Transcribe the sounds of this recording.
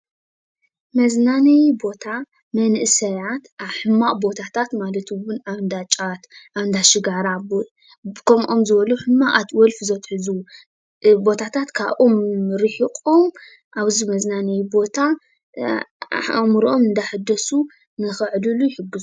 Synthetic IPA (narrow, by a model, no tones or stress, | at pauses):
mɐznanɐjbo̞t̪ʰa | mɐnʔɨsɐjat̪aβħɨmːaʔʼbo̞t̪ʰat̪ʰat̪malɐt̪ʰɨwʊnaβnd̪at͡ʃʼat̪ʔaβnd̪aʃɨɡaɾab | kʰɐmʔomzɨβɐluħɨmːaʔat̪wɔlfzɐt̪ħɨzu | bo̞t̪ʰat̪ʰat̪kʰaβʔomɾɨħikʼo̞m | ʔaβzimɐznanɐjbo̞t̪ʰa | ʔamɾʔo̞mɨnd̪aħɨd̪ɐsu | nɨxɨʕlulujɪħɨɡːɨzu